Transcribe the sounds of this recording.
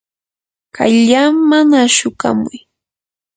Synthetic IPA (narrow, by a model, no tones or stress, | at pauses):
kʰa̰ʎamanaʃʊka̰mʊj